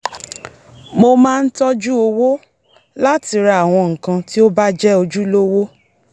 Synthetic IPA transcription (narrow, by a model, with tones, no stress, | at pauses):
mo˧mãː˦˧n̩˦tɔ˦d͡ʒu˦o˧wo˦ | la˦ti˨˧ɾa˧˨a˨w̃ɔ̃˧ŋ̩˨kã˧ti˦o˦ba˦d͡ʒɛ˦o˧d͡ʒu˦lo˦wo˦